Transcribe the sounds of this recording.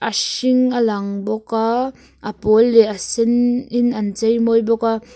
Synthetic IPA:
ʔɐʃɪŋʔɐlaŋbɔka | ʔɐpɔlːɛʔɐsɛnɪnʔɐnt͡sejmɔjbɔka

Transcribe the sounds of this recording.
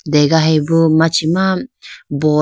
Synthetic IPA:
deɡaɦebumat͡ʃimabɔ

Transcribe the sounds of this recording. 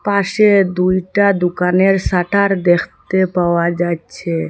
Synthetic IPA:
pased̪ujʈad̪ʊkaneɾsaʈʰaɾd̪ekʰt̪epawad͡ʒat͡ʃʰe

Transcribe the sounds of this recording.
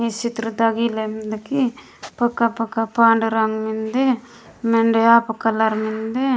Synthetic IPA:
et͡ʃit̪ɾud̪ɐɡilemd̪ɐki | pɐkːapɐkːapaːɳɖɐɾaŋmind̪e | meɳɖeaːpɐkɐlaɾmind̪e

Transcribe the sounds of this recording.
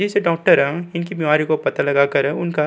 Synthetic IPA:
d͡ʒɪseɖaːk̚ʈəɾɦɛ̃ɪnkibɪʋaːɾikopɐt̪alɐɡaːkɐɾɦɛ̃ʊnka

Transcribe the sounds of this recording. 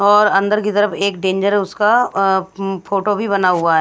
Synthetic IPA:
ɔːɾɐ̃nd̪əɾkit̪əɾəfeːk̚ɖẽːɲd͡ʒəɾʊska | pʰoːʈobʱibɐnaɦʊaɦɛː

